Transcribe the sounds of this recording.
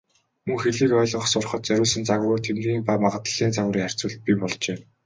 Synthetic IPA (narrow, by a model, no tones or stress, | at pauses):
mɵŋxeɮiːkœːɮɞ̆χsʊrχɞ̆t̪̚t͡sœɾʲʊːɮsə̆nt͡saɣ̆ɾʊːt̪ʰemiːŋpaːmaʁə̆t̪ə̆ɮ̥iːnt͡saɣ̆ɾiːŋar̥ʲt͡suːɮt̪̚pʲipɔɮt͡ɕeː